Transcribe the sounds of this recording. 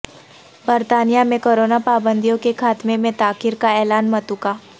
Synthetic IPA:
bəɾt̪aːnijamẽkoːɾoːnapaːbə̃nd̪ijõkekʰaːt̪mẽmẽt̪aːkɪɾkaɛːlaːnmɐt̪ukaː

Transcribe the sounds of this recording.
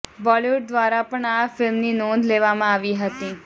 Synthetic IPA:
bɔleʋuɖ̚d̪ʋaɾapəɳafɪlmninɔ̃nd̪leʋamãaʋiɦət̪i

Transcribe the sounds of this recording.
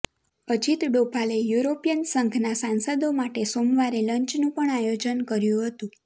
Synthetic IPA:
əd͡ʒit̪ɖopʰalejuɾopijənsəŋɡʱnasansəd̪omaʈesomʋaɾeləɲt͡ʃnũpəɳajod͡ʒənkəɾjũɦət̪ũ

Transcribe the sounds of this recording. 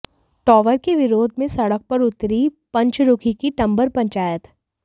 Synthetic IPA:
ʈɔːʋəɾkeʋɪɾoːd̪ʱmẽsɐɽək̚pɐɾʊt̪ɾipɐ̃ɲt͡ʃɾʊkʰikiʈɐ̃mbəɾpɐ̃ɲt͡ʃaːjət̪

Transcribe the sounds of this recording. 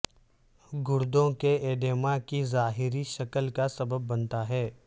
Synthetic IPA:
ɡʊɾd̪õkeeːɖeːmakizaːɦɪɾiʃɐkəlkasɐbəbːɐ̃nt̪aɦɛː

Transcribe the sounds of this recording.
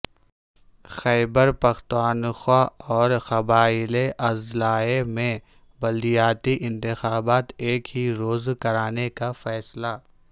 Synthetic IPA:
xɛːbəɾpɐxt̪waːnxwaːɔːɾxɐbaːɪleʔɐzlaːemẽ | bɐld̪ijaːt̪iʔɪ̃nt̪ɪxaːbaːt̪eːkɦiɾoːzkɐɾaːnekafɛːsla

